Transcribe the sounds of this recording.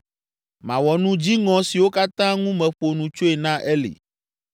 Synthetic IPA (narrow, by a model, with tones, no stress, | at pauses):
mã̰˨wɔ˨nũ˦d͡ʑi˦ŋɔ̃˨si˨wo˦ka˦t̪ã˦ŋũ˦mɛ̃˨ɸo˨nũ˨t͡ʃo˦e˨nã˦ʔɛ˦lḛ˨